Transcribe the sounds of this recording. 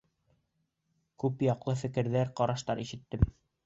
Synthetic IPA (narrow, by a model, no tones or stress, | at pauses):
kʉpjɑqlˠɤfɘ̆kɘ̆ɾðæɾqɑɾɑʃt̪ɑɾiʃɘ̆t̪ːɘm